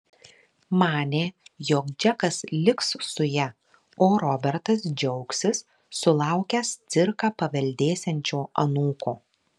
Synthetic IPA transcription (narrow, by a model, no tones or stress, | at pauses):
mɑːnʲeːjoːkd͡ʒʲɛkɐslʲɪkssʊjæ | oːɾɔbʲɛɾt̪ɐs̬d͡ʒʲɛʊksʲɪsː | ʊlˠɑˑʊkʲɛst̪sʲɪɾkɑːpɐʋʲɛlʲd̪ʲeːsʲɛnʲt͡ʃʲoːɐnuːkoː